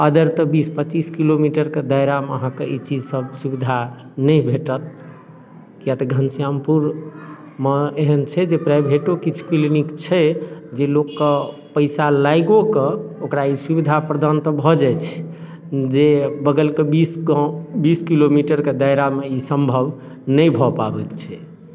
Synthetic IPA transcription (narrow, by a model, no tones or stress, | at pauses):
əd̪əɾt̪ɔbispət͡ʃiskilomiʈəɾked̪əjɾameəɦãkeʔit͡ʃid͡ʒsəbsubid̪ʱa | nəjbʱeʈət̪̚ | ijat̪əɡʱənsijampuɾ | meeɦənt͡ʃʰɛd͡ʒepɾabʱeʈokit͡ʃʰu̥kilinikt͡ʃʰɛd͡ʒelokːe | pəɪsalajɡokeokɾaisubid̪ʱapɾəd̪ant̪ɔbʱɔd͡ʒajt͡ʃʰɛ̥ | d͡ʒebəɡəlkebisbiskilomiʈəɾked̪əjɾameisəmbʱəb | nəjbʱɔpabɛt̪t͡ʃʰɛ